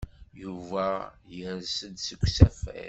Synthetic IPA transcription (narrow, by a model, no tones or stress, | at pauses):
juvæjəsənsəkʷːsæfæ̰